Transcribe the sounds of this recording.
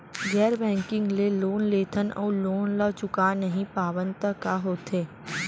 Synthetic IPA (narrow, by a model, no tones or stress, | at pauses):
ɡɛːɾbɛ̃ːŋkɪ̃ŋɡleloːnleːt̪ʰənɔ̰ːloːnlat͡ʃʊkaːnːəɦĩpaːʋə̃nt̪əkaɦoːt̪eː